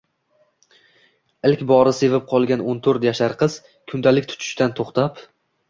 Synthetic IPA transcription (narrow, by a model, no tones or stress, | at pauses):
ɪlkʲbɒɾɪse̞vɪp̚qʰɒlˠɡʲanont̪ʰɵɾt̪jaʃaɾqʰɨz̥ | kʰʊnd̪alɪk̚ʲt̪ʰʊ̥t͡ʃ̪ʰʊ̥ʃt̪ant̪ʰoχt̪ap